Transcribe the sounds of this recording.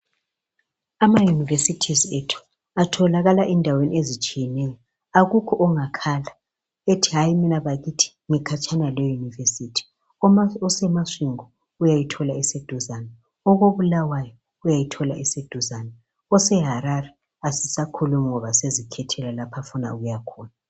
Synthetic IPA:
amajunivesitʰizetʰu̥ | atʰɔlaɣalaʔindʱaweniezit͡ʃʼijɛnɛjɔ | aɣukʰɔʔɔŋakʰala | etʰiɦajiminaβaɣitʰi̥ŋɛkʰat͡ʃʼanalɛjunivesitʰi̥ | ɔsɛmasiŋɔ | ujajitʰɔlaised̥ʱuzana | ɔɣoβulawajɔ | ujajitʰɔlaʔised̥ʱuzana | ɔsɛɦaɾarɛ | asisakʰɔlwɛŋɔβasezikʰɛtʰɛlalapʰafuna̰ṵɣujakʰɔːna

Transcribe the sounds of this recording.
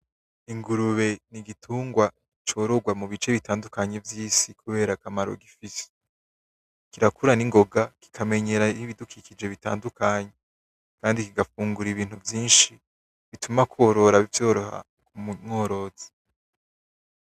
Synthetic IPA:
iŋɡuɾuβe̞niɡitʰuːŋɡwa | it͡ʃo̞ːɾo̞ɡwamuβit͡ʃe̞βitaːndukaɲe̞vjiːsikuβe̞ːɾakamaɾo̰ɡifise̥ | kiɾakuɾaniŋɡo̞ɡaki̥kʰame̞ɲe̞ɾaiβidukʰikid͡ʒe̞βita̰ːndukaːɲe | kaːndikiɡafuːŋɡuɾiβiːnhuvjiːnʃi | βitʰumakoɾo̞ɾaβivjo̞ːɾoha̰ | kumumŋo̞ːɾo̞z̥e̥

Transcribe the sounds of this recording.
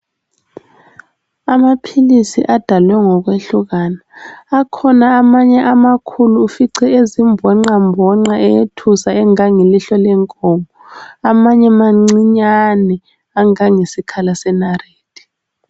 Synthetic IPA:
amapʰilisiʔad̥ʱalwɛŋɔk̬weɬuk̬anaːkʰɔnaːmaɲɛʔamakʰuluːfiǀɛezimbʱɛŋ͡ǁambʱɔŋ͡ǁaɛjetʰusaɛŋaŋeliɬɔlɛŋkʼɔːmʱɔamaɲɛmaŋ͡ǀiɲanɛ | aŋaŋesikʰalasɛnareːd̥ʱi̥

